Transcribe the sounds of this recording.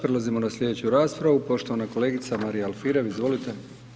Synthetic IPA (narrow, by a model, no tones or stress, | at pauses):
pɾelazimo̞naslʎʲe̞d̪et͡ɕuɾaːspɾaʋupo̞ʃt̪o̞ʋanako̞le̞ːɡit̪samaɾijaalˠfiɾeʋizʋo̞lit̪e